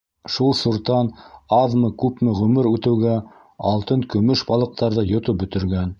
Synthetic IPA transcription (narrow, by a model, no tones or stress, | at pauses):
ʃulˠsuɾt̪ɑnɑðmɤkʉpmɘʁɵ̆mɘɾʉt̪ɘ̆wɡæ | ɑlˠt̪ɤŋkɵ̆mɵʃbɑlˠɤ̆q̚t̪ɑɾðɤjŏt̪ɤp̚bɵ̆t̪ɘ̆ɾɡæn